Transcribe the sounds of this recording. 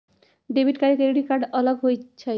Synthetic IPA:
ɖebʱiʈkaɾikeɾiɖikaɾɖɔlabɦojt͡ɕʰa

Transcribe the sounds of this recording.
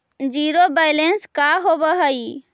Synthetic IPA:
d͡ʒiɾobajlenskaɦobəɦəj

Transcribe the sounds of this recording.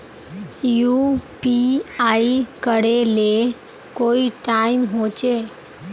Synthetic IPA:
jupiaikəɽele | koiʈaimɦot͡ʃe

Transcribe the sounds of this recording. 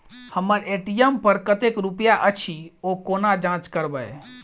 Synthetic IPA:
həmːəɾeʈijəmpəɾkət̪ekɾupjaʔət͡ʃʰiokonad͡ʒãt͡ʃkəɾbəj

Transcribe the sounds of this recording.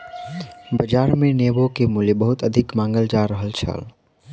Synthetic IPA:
bəd͡ʒaːɾmẽneːbokemuːljebəɦʊt̪əd̪ʱɪkmãːŋɡəld͡ʒaɾːəɦəlt͡ʃʰə̰l

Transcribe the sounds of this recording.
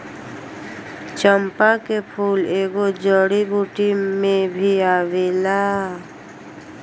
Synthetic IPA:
t͡ʃəmpakepʰuːleːɡod͡ʒəɽibʱuːʈimẽbʱiaːʋelaː

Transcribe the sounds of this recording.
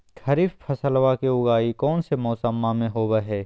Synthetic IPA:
t̪ʰɐɾifpʰɐsəlwakiʊɡaːikɔːnsemɔːsəmːamẽɦoːbəɦɛː

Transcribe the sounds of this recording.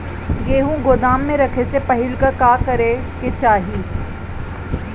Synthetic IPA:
ɡeːɦũɡʊd̪aːmːẽɾɐkʰesepɐɦɪlkəkaːkɐɾeket͡ʃaːɦiː

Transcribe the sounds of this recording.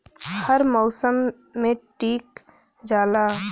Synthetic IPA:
həɾmɔʊsəmː | ẽʈiːk | d͡ʒaːla

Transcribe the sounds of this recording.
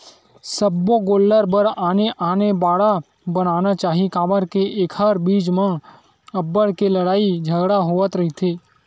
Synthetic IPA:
səbːoɡoːlːəɾbəɾaːneʔaːnebaːɽa | bənaːnat͡ʃaːɦikaːməɾkeʔeːkʰɦəɾbiːd͡ʒmə̃ | ɐbːəɽkelɐɽaːid͡ʒʱəɡɽaɦoːʋət̪ɾɐɦit̪ʰeː

